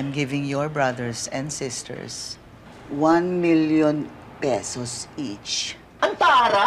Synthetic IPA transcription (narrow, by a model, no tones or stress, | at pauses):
mɡɪvɪ̃ŋjɔɹbɹad̪ɛɹsɛ̃nd̪sɪst̪ʰɛ̰ɹs | wanmiljɔ̃n | pɛsɔsit͡ʃ | ʔɐnt̪aːɾa